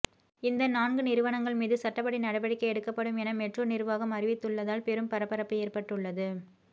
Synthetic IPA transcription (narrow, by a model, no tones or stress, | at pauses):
ɪnd̪ɐnaːnɡɯnɪɾɯʋɐɳɐŋɡɐɭmiːðɯsɐʈːɐpːɐɽinɐɽɐʋɐɽɪkːɐɛɽɯkːɐpːɐɽɯmɛnɐmɛʈrɯnɪɾɯʋaːɣɐmɐɾɪʋɪt̪ːɯɭːɐðaːlpɛɾɯmpɐɾɐpːɐɾɐpːɯeːrpɐʈːɯɭːɐðɯ